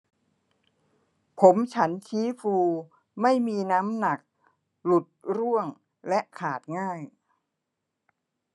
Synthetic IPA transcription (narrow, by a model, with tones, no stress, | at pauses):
pʰo˩˦mt͡ɕʰa˦˥nt͡ɕʰiː˦˥fuː˧ | ma˥˩jmiː˧naː˦˥mna˨˩k̚ | lu˨˩t̪̚ɾu˥˩əŋ | lɛ˦˥ʔkʰaː˨˩t̪̚ŋaː˥˩j